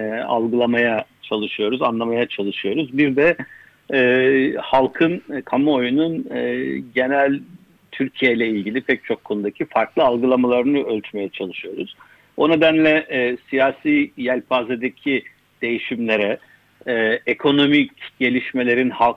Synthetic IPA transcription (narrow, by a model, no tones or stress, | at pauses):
a̰lˠɡɯlˠamajat͡ʃʰalˠɯʃɯjo̞ɾuzanlˠamajat͡ʃʰalˠɯʃɯjo̞ɾuzbiɾd̪ɛ | ɛhalˠkʰɯnkʰamuojunun | ɟe̞nælʲ | t̪ʰyɾcʰijejlʲɛilʲɟilʲipʰɛc̚t͡ʃʰo̞kʰːo̞nud̪acʰifaɾklˠɯalˠɡɯlˠamalˠaɾɯnɯølʲt̪ʰyme̞jɛt͡ʃʰalˠɯʃɯjo̞ɾuz̥ | o̞ne̞d̪ænlʲɛʔsijaːsiːjælʲpaːzed̪ecʰi | d̪̥e̞jiʃimlʲe̞ɾɛ | ekʰo̞no̞micɟ̥e̞lʲiʃme̞lʲe̞ɾinhalˠ